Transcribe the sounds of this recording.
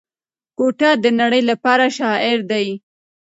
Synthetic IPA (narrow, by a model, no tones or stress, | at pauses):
koʈad̪ənaɽəjlapɑɾaʃɑɪɾd̪aj